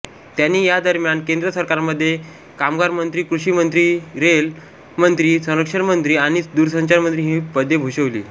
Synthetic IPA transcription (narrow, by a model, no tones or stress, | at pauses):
t̪janːiːjad̪əɾmjankend̪ɾəsəɾkaɾaməd̪ʱːje | kamɡaɾmənt̪ɾiːkɾuɕiːmənt̪ɾiːɾel | mənt̪ɾiːsə̃w̃ɾəkʂəɾmənt̪ɾiːaɽ̃id̪uɾsəɲt͡ɕaɾmənt̪ɾiːɦĩpəd̪ʱːjebʱuɕəʋlḭː